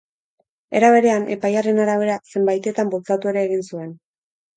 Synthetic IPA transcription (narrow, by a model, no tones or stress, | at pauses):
e̞ɾaβ̞e̞ɾe̞anʔe̞pajare̞naɾaβ̞e̞ɾase̞mbajt̪e̞t̪ambolt͡sat̪ue̞ɾe̞ːɣ̞insue̞n